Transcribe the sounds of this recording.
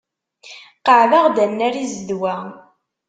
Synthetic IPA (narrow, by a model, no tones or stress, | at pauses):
qəʕvaʁd̪ænːæɾizd̪wæ